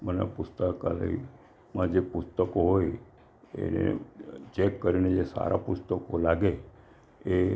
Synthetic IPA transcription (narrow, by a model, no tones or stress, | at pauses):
mənḛpʊst̪əkalə̰i | mãd͡ʒepʊst̪əkoɦoj | ḛnḛt͡ʃekːəɾined͡ʒesa̰ɾʔapust̪əkolaɡe | e